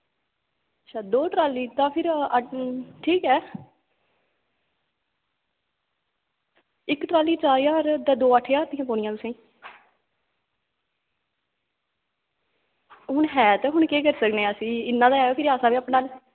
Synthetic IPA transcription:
ətːʃʰaːd̪oːʈɾaːliːt̪ãːpʰɪɾ | ʈʰiːkɛː | ɪkʈɾaːliːt͡ʃaːɾjaːɾt̪ɛ̃ːd̪oːəʈʰːjaːɾt̪ɪ̃ːjãːpoːɽɪjãt̪ʊsẽː | ɦʊɳɦɛːt̪ɛːɦʊɳkeːkəɾsəkneːaːsiːɪnːãːd̪aːɦɛːoːpʰɪɾaːsãːbiːəːpɳãːl

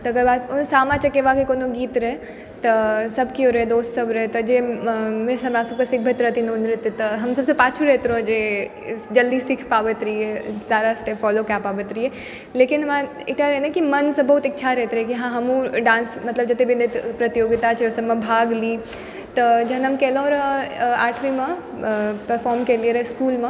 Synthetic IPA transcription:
t̪ɐɐɡəɾbaːt̪ʊnsaːmãt͡ʃɐkːeʋaːkekoːnoɡiːt̪ɾɐɦe | t̪ɐsɐbkjõɾɐɦed̪oːst̪sɐbɾɐɦet̪ɐd͡ʒeːmẽsɐmɾãːsɐb̚kesɪkʰbʱɐt̪ɾɐt̪ʰinoʊnɾɪt̪ːt̪ɐɦɐmsɐbsepaːt͡ʃʰuɾɛɦt̪ɾõd͡ʒeː | d͡ʒɐld̪isɪkʰpaːʋət̪ɾiesaːɾasʈefɔːlokjapaːʋət̪ɾiɦe | leːkɪnɦɐmã | ɪʈaɾɛɦnkimɐnsɐbɐɦut̪ɪtːʃʰaɾɛɦt̪ɾekiɦãɦɐmũɖãːnsmɐt̪ləbd͡ʒɐt̪ebʱind̪ɪt̪pɾɐt̪ijoːɡɪt̪at͡ʃʰeɔsɐbmẽbʱaːɡli | t̪ɐd͡ʒɐɦnɐmkeːlõɔːɾaːʈʰʋimɐ | pɐɾfɔːɾmkeːlieɾɐɦeskuːlmɐ̃

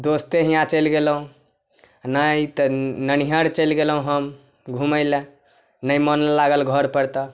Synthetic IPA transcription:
d̪ost̪eɦĩjãt͡ʃəlɡelɦũ | najt̪nəniɦəɾt͡ʃəlɡelɦũɦəm | ɡʱuməɪlẽ | nəjmənlaɡəlɡʱəɾpəɾt̪ə

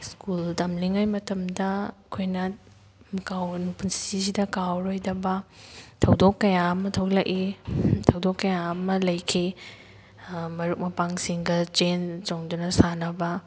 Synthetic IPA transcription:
skultɐmliŋajmɐtɐmdɐkʰojnɐ | mkawnupunsiisidɐkawɾojdɐbɐtʰɐwdokːɐjaɐmɐtʰɐwlɐkitʰɐwdokːɐjamɐlɐjkʰi | mɐɾuk̚mɐpaŋsiŋɡɐt͡ʃent͡ʃoŋdunɐsanɐbɐ

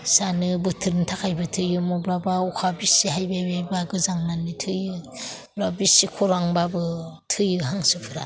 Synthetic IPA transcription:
sanɯbɯtʰɯɾntʰakajbɯtʰɯjɯmɔbɾabaukʰabisiɦajbabajbaɡɯzaŋnanːitʰɯjɯ | bɾabisikʰoɾaŋbabɯtʰɯjɯɦaŋsɯpʰɯɾa̰

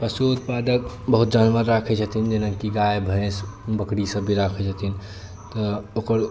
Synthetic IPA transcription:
pəsut̪paːd̪ək | bəɦut̪̚d͡ʒanʋəɾːakʰɛd͡ʒət̪ind͡ʒenənkiɡajbʱə̃sbəkɽisəbʱːiɾakʰɛd͡ʒət̪in | t̪ɔoːkəɾ

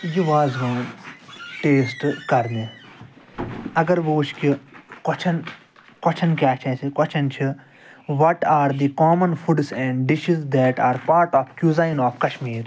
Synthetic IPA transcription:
jiʋaːzʋãːnʈeːsʈkɐɾne | ɐɡɐɾʋoːt͡ʃʰkikɔt͡ʃʰɐn | kɔt͡ʃʰɐnkʲjaːt͡ʃʰɛsʰikɔt͡ʃʰɐnt͡ʃʰi | ʋɔʈaːɾd̪ikɔːmɐ̃nfuɖsɛ̃ːɳɖɖɪʃizd̪ɛːʈaːɾpaːɾʈɔːfkjuzaɪ̃nɔːfkɐʃmiːɾ

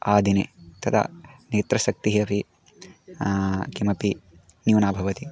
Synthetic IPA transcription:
aːd̪ʱinḛt̪ɐt̪ʰa̰neːt̪ɾɐsɐk̚t̪iɦɐpi | kimɐpi | njuːnaːbʱɐʋɐt̪i

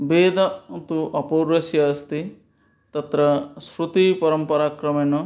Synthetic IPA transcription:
beːd̪ɐt̪uʔɐpoɾɐsjɐst̪i | t̪ɐt̪ɾɐsɾut̪ipɐɾɐmpɐɾaːkɾɐmenɔ

